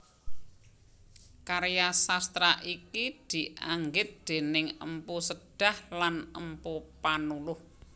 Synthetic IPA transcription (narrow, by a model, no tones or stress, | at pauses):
kaɾjasast̪ɾaʔikid̪̥i̤ʔaŋɡɪt̪̚d̪̥e̤nɪŋə̰mpusəɖ̥a̤hlanəmpupanulʊh